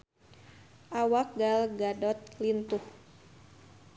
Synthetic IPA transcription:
ʔawak̚ɡalɡadɔt̪̚lint̪uh

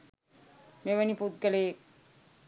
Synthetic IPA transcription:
meʋənipud̪̚ɡəlek̚

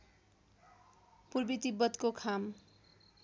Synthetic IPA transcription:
purbit̪ibːʌt̪kokʰam

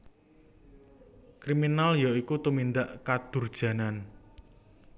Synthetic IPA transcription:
kɾiminaljaikut̪umind̪aʔkad̪̥ʊ̤rd̥ʒ̥ä̤nan

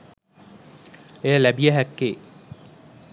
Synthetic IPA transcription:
ejəlæbijəɦækːeː

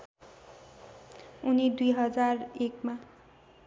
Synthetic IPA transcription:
unid̪ujɦʌd͡zarekma

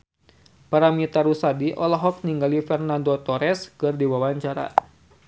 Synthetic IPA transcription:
paɾamit̪aɾusadiʔɔlaɦɔk̚niŋɡalifɛrnandot̪ɔɾɛskɨrdiwawaɲt͡ʃaɾa̰

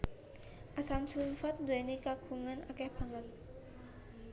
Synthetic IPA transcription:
ʔasansumfat̪̚d̪uɛnikakʰuŋana̰kɛpʰaŋan̚

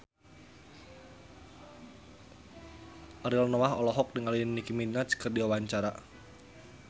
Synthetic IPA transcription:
ʔaɾilnɔaɦɔlɔɦɔk̚dəŋalinikiminat͡ʃkərdiawaɲt͡ʃaɾa

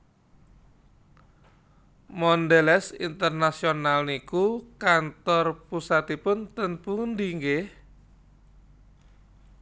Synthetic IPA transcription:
mɔndelɛsḭnt̪ərnasionalnikukant̪ɔrpusat̪ipʊnt̪ənpund̪iŋɡeh

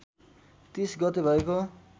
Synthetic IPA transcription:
t̪isɡʌt̪ebʱʌeko

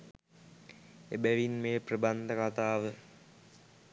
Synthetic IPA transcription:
ebæʋinmeːprəband̪əkat̪aːʋə

